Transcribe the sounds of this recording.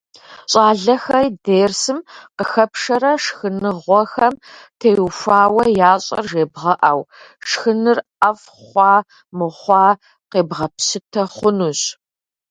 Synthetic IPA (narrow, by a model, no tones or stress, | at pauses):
ɕʼɑːɮɐxɐjdeːrsɨmqəxɐpʂɐɾɐʂxɨnɨʁʷɔxɐmtʰeːjufʷaːwɐjaːɕʼɐ̰rʒeːbʁɐʔaːw | ʂxɨnɨrɐf | χʷɑː | mɨχʷɑː | qeːbʁɐpsɨtʰɐχʷʊnuɕ